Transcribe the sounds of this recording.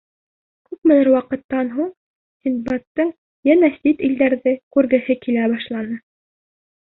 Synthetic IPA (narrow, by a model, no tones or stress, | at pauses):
kʉpmɘ̆nɘɾwɑqɤ̆t̪ːɑnɦuɴ | sʲint̪bɑt̪ːɤɴ | jænæsit̪ild̪æɾðɘkʉɾɡɘ̆hɘkilæβɑʃlˠɑnɤ